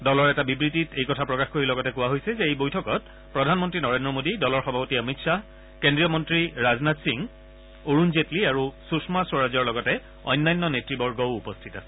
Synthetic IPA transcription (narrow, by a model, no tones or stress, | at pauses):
dɔlɔɹɛtabibɹititejkɔtʰapɹɔkaxkoɹilɔɡɔtɛkʊwaɦojsɛzɛejbojtʰɔkɔt̚ | pɹɔdʱanmɔntɹinɔɹendɹɔmodidɔlɔɹxɔbʱapotiəmitsa | kendɹijɔmɔntɹiɹaznatsiŋ | oɹunzetliaɹususmasɔɹazɔɹlɔɡɔtɛ | ɔ̰jnːajnːɔnetɹibɔɹɡɔwupɔstʰitasɛ̥